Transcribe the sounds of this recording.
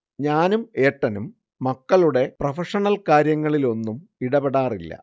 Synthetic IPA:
ɲaːnume̞ːʈːɐnumː | ɐkːɐɭuɽe̞prɐfɐʂɐɳɐlkaːɾjɐŋːɐɭilo̞nːumiɽɐbeɽaːrilːɐ̰

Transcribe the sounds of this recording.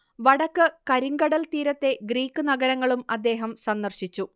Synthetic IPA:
ʋɐɽɐkːɨkɐɾiŋɡɐɽɐlt̪iːɾɐt̪ːe̞ɡɾiːkːɨnɐɡɐɾɐŋːɐɭumɐd̪ːe̞ːɦɐmsɐnd̪ɐrɕit͡ɕːu

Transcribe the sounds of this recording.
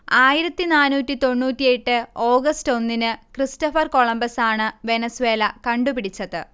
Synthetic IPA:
aːjiɾɐt̪ːinaːnuːtʲːit̪o̞ɳːuːtːije̞ʈːɨo̞ːɡɐsto̞nːinɨkristɐfɐrko̞ɭɐmbɐsaːɳɨʋe̞nɐswe̞ːlɐkɐɳɖupiɽit͡ɕːɐðɨ

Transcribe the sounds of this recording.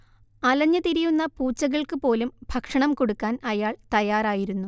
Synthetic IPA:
ɐlɐɲːɐt̪iɾijunːɐpuːt͡ɕːɐɣɐɭkɨpo̞ːlumbʱɐkʂɐɳɐmkoɽukːaːnɐjaːɭt̪ɐjaːraːjiɾunːu

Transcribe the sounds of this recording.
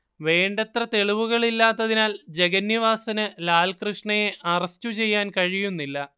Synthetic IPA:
ʋe̞ːɳɖet̪rɐt̪e̞ɭiʋuɣɐɭilːaːt̪ːɐðinaːld͡ʑe̞ɣɐnːiʋaːsɐnɨlaːlkrɨʂɳɐjeʔɐrɐstːut͡ɕe̞jːaːnkɐɻijunːilːɐ

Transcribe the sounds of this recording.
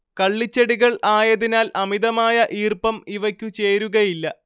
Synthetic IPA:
kɐɭːit͡ɕːɐɽiɣɐɭaːjɐðinaːlʔɐmiðɐmaːjɐʔiːrpɐmiʋɐkʲːut͡ɕe̞ːɾuɣɐjilːɐ

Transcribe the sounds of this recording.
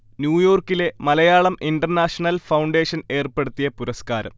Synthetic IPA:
njuːjo̞ːrkːile̞mɐlɐjaːɭɐmʔinɖɐrnaːʂɐnɐlfɐwɳɖe̞ːʂɐne̞ːrpeɽut̪ːijɐpuɾɐskaːɾɐ̰m

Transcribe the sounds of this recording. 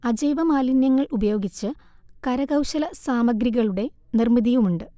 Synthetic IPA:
ɐd͡ʑɐjʋɐmaːlinjɐŋːɐɭubɐjo̞ːɡit͡ɕːɨkɐɾɐɣɐwɕɐlɐsaːmɐɡɾiɣɐɭuɽe̞ | nirmiðijumuɳɖɨ

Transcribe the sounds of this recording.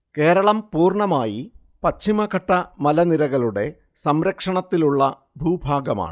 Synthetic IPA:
ke̞ːɾɐɭɐmpuːrɳɐmaːji | pɐt͡ɕːimɐkɐʈːɐmɐlɐniɾɐɣɐɭuɽe̞ | sɐmɾɐkʂɐɳɐt̪ːiluɭːɐ | bʱuːbʱaːɡɐma̰ːɳɨ

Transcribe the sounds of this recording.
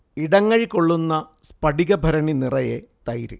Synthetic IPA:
iɽɐŋːɐɻkoɭːunːɐspɐɖiɣɐbʱɐɾɐɳinirɐjet̪ɐjɾɨ̰

